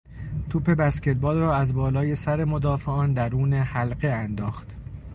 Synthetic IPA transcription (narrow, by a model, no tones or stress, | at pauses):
t̪ʰuːpʰe̞bæscet̪̚bɒːlrɒːæzbɒːlɒːje̞sæɾe̞mo̞d̪ɒːfeɒːnd̪æɾuːnehælɢe̞ænd̪ɒːxt̪